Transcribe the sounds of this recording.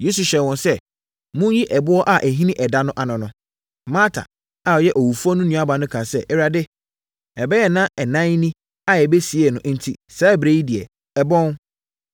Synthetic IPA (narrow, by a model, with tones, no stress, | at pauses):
je˦su˨ɕɛ˨wɔ̃˨nsɛ˦ | mʊ̃˦ji˦ʔɛ˨bʊ˦ɔ˦ʔa˨ʔɛ˨ɦĩ˦nĩ˦ʔɛ˨da˦nʊ̃˦ʔa˨nʊ̃˨nʊ̃˨ | mãː˦tʰa̰˨ | a˨jɛ˦ʔɔ˨wu˨fu˦ɔ˦nʊ̃˦nũ˦a˦bã˨nʊ̃˦kʰã˨sɛ˦ʔɛ˦ɾa˨dɪ˦ | ɛ˨bɛ˦jɛ˨nã˦ɛ˨nã˦n˦nĩ˦ | a˦˨ɛ˨be˦si˨ɛ˨nʊ̃˨ʔn̩˦tʰi˦saː˦˨bɾe˦ji˦dɪ˨ɛ˨ | ɛ˨bɔ̃˦n